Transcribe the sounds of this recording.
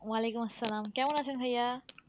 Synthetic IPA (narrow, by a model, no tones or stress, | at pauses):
ʋaːleːkʊmɐsːɐlaːmkjaːʋaːnaːsʰenkʰɐjaː